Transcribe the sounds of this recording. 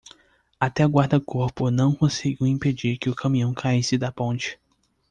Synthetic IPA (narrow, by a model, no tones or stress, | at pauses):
at̪ɛɡwaɾd̪ɐkoɾpʊnɐ̃w̃kõsiɡiwĩped͡ʒiɾkɪʊkʰɐ̃mĩɐ̃w̃kʰaisɪd̪ɐpõnt͡ʃɪ̥